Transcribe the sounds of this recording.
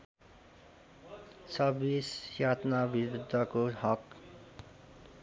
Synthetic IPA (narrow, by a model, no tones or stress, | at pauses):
sʌbisjat̪nabiɾud̪ʱːʌkohʌk